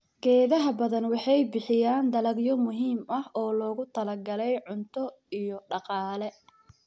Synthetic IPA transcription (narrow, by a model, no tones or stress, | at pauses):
ɡ̥ɛːðɐɦɐbɐðɐnwɑħɑjbɪħɪjaːnd̪ɐlɐɡjɔmʊɦiːmɐhɔːlɔːɣʊt̪ʰɐlɐrɡɐlɛjʕʊnt̪ʰɔ | ijɔɖɑqɑːlɛ